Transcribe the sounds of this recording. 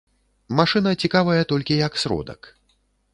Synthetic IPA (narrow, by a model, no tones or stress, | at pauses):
maʂɨnɐt͡sʲikavɐjɐt̪ɔlʲkʲijɐksɾɔ̰d̪ɐ̰k